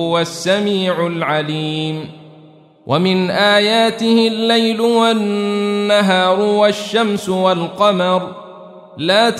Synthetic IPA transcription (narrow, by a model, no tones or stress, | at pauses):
ʊwasːamiːʕʊlʕaliːm | wʔamɪnʔaːjaːt̪ɪhɪlːajlʊwanːaɦɑːɾˤʊwaʃːamsʊwalqɑmɑɾˤ | laːt̪